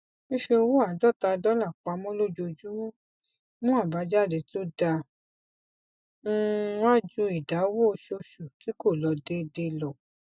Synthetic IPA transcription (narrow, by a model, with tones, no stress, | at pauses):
ĩ˦ʃe˧wo˦˨a˨dɔ˦˨ta˧dɔ˦la˦˨k͡pa˧mɔ̃˦lo˦˨d͡ʒo˧d͡ʒu˦w̃ | mũ˦a˦˨ba˧d͡ʒa˦˨de˧˨to˦da˧˦˧ | wã˦˨d͡ʒu˧˦i˨da˨˦wo˦˧ʃo˧ʃu˨ti˨˦ko˦˨lɔ˨˧de˦˧de˧lɔ˨